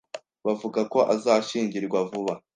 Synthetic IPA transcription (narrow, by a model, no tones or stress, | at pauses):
βavuɡako̞ʔazaːʃiːɲɟiɾɡwavuβa